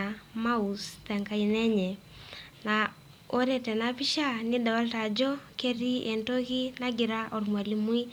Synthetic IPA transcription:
ama˦ustɛ˨ŋka˦i˨nɛ˦ɲɛ˨ | na | o˦ɾɛ˨tɛ˨napi˦ʃa˦ni˦da˨wa˦lta˨d͡ʒɔ˦kɛ˦ɾi˦ʔɛ˨nto˦ki˦na˦ɡi˨ɾa˦ʔɔ˨ɾmwa˨li˦mu˦i˦

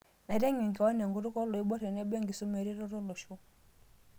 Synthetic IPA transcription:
na˨ɾɛ˦ŋi˨ŋ˨ka˨wa˦n˨a˨ŋɡu˨ɾu˦kɔ˦lɔ˨i˦ɓɔ˦ɾɛ˨nɛ˦bɛ˦ŋɡi˨su˦mɛ˨ɾi˦ɾɔ˦ɾɔ˦lɔ˨ʃɔ˦

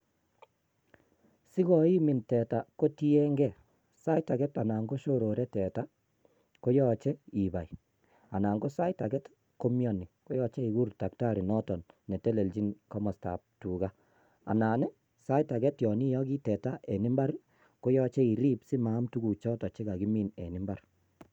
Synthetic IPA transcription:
si˦ɣɔ˨i˦mɪ˨ntɛ˨ta˨ko˦ti˦ɛ˦ŋɡɛ˨ | sa˦jta˨ɡɛ˦ta˨na˨ŋɡo˦ʃo˦ɾo˨ɾɛ˦tɛ˨ta˦ | ko˦jɔ˦t͡ʃɛ˦i˨ba̰˨j | a˨na˨ŋɡo˦sa˦jta˨ɡɛ˦t | ko˦mjɔ˨ni˨ko˦jɔ˦t͡ʃe˦i˨ɡu˦ɾta˨kta˦ɾi˨nɔ˦tɔ˨nːe˨te˦le˨ld͡ʒi˦nkɔ˦mɔ˨sta̰˨p̚tu˨ɣa˦ | a̰˨na˨nɛ˦ | sa˦jta˨ɡɛ˦tjɔ˨ni˦jɔ˦ɡi˦tɛ˨ta˦ʔe˨ni˦mba˦ɾ | ko˦jɔ˦t͡ʃe˦i˨ɾi˦psi˦maː˨˦mtu˦ɡu˨t͡ʃɔ˦tɔ˨t͡ʃe˦ɡa˨ɡi˦mi˨nɛ̰˨ni˦mba˦r

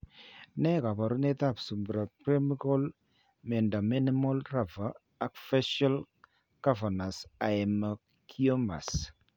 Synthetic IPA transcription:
nɛ˦ka˨ba˨ɾu˦nɛ˦ta˦˨psu˨mbɾa˨pɾe˦mi˦kɔ˦l | mɛ˨nda˨mi˦ni˦mɔ˦lra˨va˨ | a˨kfɛ˦ʃa˦l | ɡ̥a˦va˨na˨sa˨ɛ˨ma˨ | kʰiɔ˦ma̰˨s

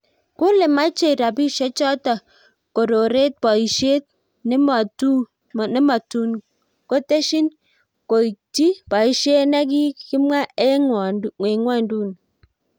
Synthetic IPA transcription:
kʊ˦le˨ma˦t͡ʃe˦˨ɾa˨bi˦ʃɛ˦t͡ʃɔ˦ta˨ | ko˨ɾo˨ɾe˦t̚pa˨i˨ʃe˦t̚ | n˦ma˨tu˦˨ | nɛ˦ma˨tu˦n | ko˦te˦ʃi˦n | ko˨i˨ti˦pa˨i˨˦ʃe˦na˦k̬i˦kɪ˦mwa˦ɛ˦ | e˨ŋwa˦˨ndu˦˨n

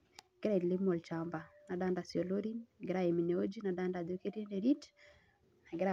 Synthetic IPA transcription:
ɡ̥e˦ɾa˦i˨dli˦mo˨lt͡ʃamba˨na˨da˦nda˨sjɔ˨lo˦ɾi˦nɡe˦ɾa˨e˨mi˨ne˨o˦d͡ʒi˦na˨da˦nda˨do˦ke˦ɾi˦nde˨ɾi˦d | na˨ɡeɾa˨

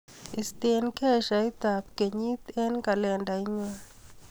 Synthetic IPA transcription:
i˨ste˦nkɛ˦˨ʃa˨i˦ta˨p̚ke˨ɲi˦t̪ɛ˦nka˨lɛ˨nda˨i˦ɲa˦

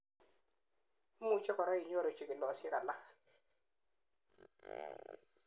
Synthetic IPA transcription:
mu˦˨t͡ʃɔ˦kɔ˨ɾɔ˦i˨ɲ˦o˦ɾo˨t͡ʃi˨kɪ˨lɔ˨sɪ˦ka˨la˦k

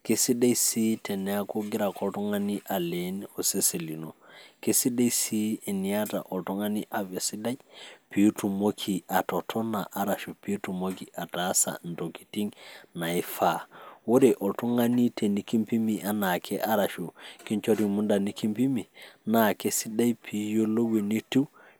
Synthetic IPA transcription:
ke˦si˦da˦jsi˦te˨ne˦a˦ko˦ɡi˦ɾa˨ko˨lto˦ŋa˦ni˦ʔa˨le˨no˨se˦se˨li˨no˨ke˦si˦da˦jsi˦e˨ni˨a˦ta̰˨ʔo˨lto˦ŋa˦ni˦ʔa˨ve˨si˦da˦jpi˨˦u˦tu˨mo˦kʰi˨a˨to˨tʰo˦na˨ʔa˦ɾa˨ʃu˨pi˦tu˨mo˦ki˨ʔa˨ta˦sa̰˨nto˨ki̥˨ti˦ŋna˨i˦fa˦wo˦de˨ʔo˨lto˦ŋa˦ni˦tʰe˨ni˨ki˦mpi˦mi˨ʔa˨˦na˨kʰe˦ʔa˦ɾa˨ʃu˨ki˦nt͡ʃo˦ɾi˨mu˦nda˨ni˦ki˦mpi˦mi˨na˨ke˦si˦da˦jpʰi˨jo˦lo˦we˨ni˦ti˦

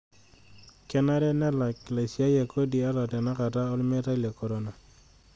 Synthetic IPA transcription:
kɛ˦na˦ɾɛ˦nɛ˦la˨kla˨si˨a˦ja˨ko˦di˨a˦ɾɔ˨tɛ˨na˦ka˨ta˦ɔ˦lme˦ɾa˦le˨kɔ˨ɾɔ˦na˨

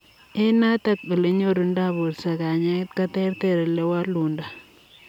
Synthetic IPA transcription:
e˦na˦ta˦k̚bi˨le˦ɲo˦ɾu˨nda˦bu˨ɾsa˨ka˨ɲa˦e˦t̪̚ka˦tɛ˦ɾt̪e˨ɾe˨le˦wa˦lu˨nda˨

